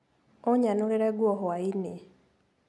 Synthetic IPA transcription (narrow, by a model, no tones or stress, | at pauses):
ɔɲanuɾeɾɛɡwɔɦɔaine